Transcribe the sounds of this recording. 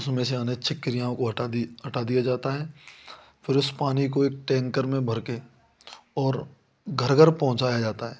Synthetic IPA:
ʊsmẽseɐneʃʰɪkːɪɾijãõkoɦɐʈaɦɐʈad̪ijad͡ʒaːt̪aɦɛː | fʰɪɾʊspaːnik̬oeːk̚ʈɛ̃ːŋkəɾmẽbʱɐɾke | ɔːɾ | ɡʱɐɾɡəɾpɐɦʊ̃t͡ʃaːjad͡ʒaːt̪aɦɛː

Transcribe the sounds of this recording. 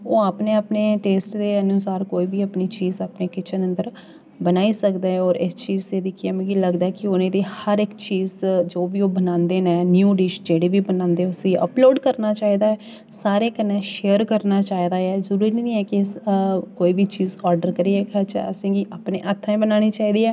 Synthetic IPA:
oːaːpneːaːpneːʈeːsʈd̪eːənuːsaːɾkoːiːʋiːapniːt͡ʃiːzaːpneːkɪt͡ʃʰənə̃nd̪əɾ | bənaːiːsəkd̪eːɔːɾɪst͡ʃiːzt̪eːd̪ɪkʰːɛːmɛ̃ːɡiːləɡd̪aːɛːkɪʊnẽːd̪eːhəɾɪkt͡ʃiːzd͡ʒoːbiːoːbənãːnd̪eːnɛ̃ːnjuːɖiːʃd͡ʒeːɽeːʋiːbənãːnd̪eːʊsiə̰ploːɖkəɾnaːt͡ʃaːiːd̪aːɛː | saːɾeːkənːɛ̃ːʃeːəɾkəɾnaːt͡ʃaːiːd̪aːɛːzəɾuːɾininĩːɛːkɪskoːiːʋiːt͡ʃiːzɔːɾɖəɾkəɾiːɛːkat͡ʃə̰sẽːɡiːʔaːpnḛːʔət̪ʰːãẽbənaːɽ̃iːt͡ʃaːiːd̪iːɛː

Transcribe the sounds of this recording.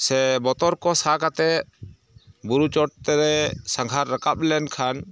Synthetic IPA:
sɛbɔt̪ɔɾkɔsakat̪ɛ | buɾut͡ʃɔʈ̚t̪ɛɾɛsaŋɡʱaɾːakap̚lɛnkʰan

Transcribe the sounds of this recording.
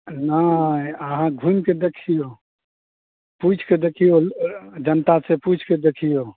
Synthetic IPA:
naəɦãɡʱumked̪ekʰijo | put͡ʃʰked̪ekʰijod͡ʒənt̪aseput͡ʃʰked̪ekʰijo

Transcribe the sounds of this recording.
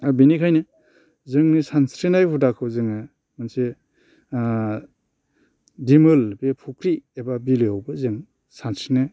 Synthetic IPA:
abinikʰajnɯ | zɯŋnisansɾinajhutakʰɯwzɯŋɯ | manse | dimɯlbepʰukɾiebabiliowbɯzɯŋ | sansɾina

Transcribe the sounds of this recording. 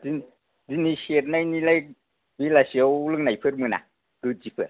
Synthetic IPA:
in | ziniseɾ̚najnilaj | bilasiowlɯŋnajpʰɯɾmɯna̰ | kɯd͡ʒipʰɯɾ̚

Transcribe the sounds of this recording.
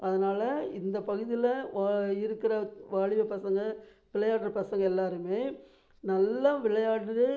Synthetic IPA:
ɐðɐnaːlɐɪnd̪ɐpɐɣɯðɪlɐɪɾɯkːɪɾɐʋaːɻɪʋɐpːɐsɐŋɡɐ | ʋɪɭɐjaːɽɾɐpɐsɐŋɡɐɛlːaːɾɯmeː | nɐlːɐʋɪɭɐjaːɽɾɯ

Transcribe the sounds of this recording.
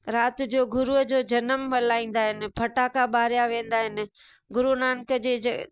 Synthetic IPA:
ɾaːt̪ɪ̆d͡ʑoːɡʊɾuɦəd͡ʑoːd͡ʑɐnəmʋɐlaːĩːn̆d̪aːɦɪnɪ̆pʰɐʈaːkaɓaːɾijaʋẽːn̆d̪aːɦɪnɪ̆ | ɡʊɾunaːnkəd͡ʑeː

